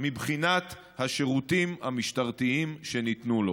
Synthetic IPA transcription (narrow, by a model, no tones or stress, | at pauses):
mibχinat̪ | haʃeʁut̪imhamiʃtaʁt̪iimʃe̞nit̪nulo̞